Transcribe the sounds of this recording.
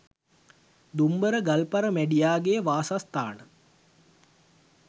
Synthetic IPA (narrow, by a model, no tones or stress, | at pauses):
d̪umbəɾəɡɐlpɐɾəmæɖijaːɡejəʋaːsast̪a̰ːnə